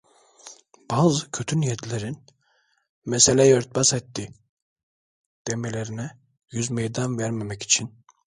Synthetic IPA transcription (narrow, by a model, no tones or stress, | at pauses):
b̥aːzɯkʰøt̪ʰynjed̪lʲeɾin | mɛselʲɛjøɾt̪̚basɛt̪ːi | d̪̥emelʲeɾinɛ | jyzmejd̪anvæɾmemɛci̥t͡ʃʰin